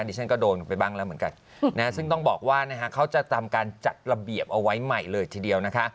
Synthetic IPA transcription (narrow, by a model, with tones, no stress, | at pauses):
tʰi˦˥˩t͡ɕʰa˦˥˩nkɔː˥˩doː˧npa˧jbaː˥˩ŋlɛː˦˥wmɯ˩˦ŋka̰˧n | na˦˥sɯ˥˩ŋt̪ɔ˥˩ŋbɔː˨˩k̚waː˥˩na˦˥kʰa˦˥kʰːa˦˥wt͡ɕa˨˩t̪ʰa˧mkaː˧nt͡ɕa˨˩t̪̚ɾa˧bi˨˩əp̚ʔa˧wa˦˥jma˨˩jlɤː˧jt̪ʰiː˧˩di˧əwna˦˥kʰa˦˥ʔ